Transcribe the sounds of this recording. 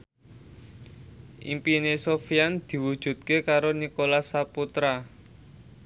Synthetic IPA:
ʔḭmpinesofiand̪̥i̤wud̥ʒ̥ṳt̪̚kekaɾonikolasaput̪ɾa

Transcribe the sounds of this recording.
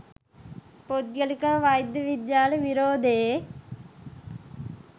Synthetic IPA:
pod̪ɡəlikaʋajd̪əʋid̪jaːleʋiɾoːd̪e

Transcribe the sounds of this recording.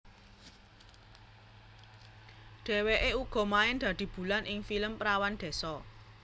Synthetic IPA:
ɖ̥e̤weʔeuɡ̥ɔ̤maɪnd̪̥ä̤d̪̥i̤b̥ṳlanʔɪŋfiləmpɾawand̪̥e̤sɔ

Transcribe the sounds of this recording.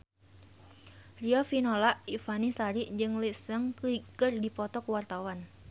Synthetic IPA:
riɔfinɔlaʔifanisaɾiʔd͡ʒɨŋlisəŋkuikərdipɔt̪ɔkuwart̪awan

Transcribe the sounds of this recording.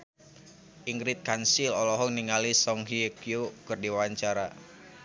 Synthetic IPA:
ʔiŋɡɾit̪̚kansilɔlɔɦɔŋniŋalisɔŋɦikjukɨrdiwaɲt͡ʃaɾa

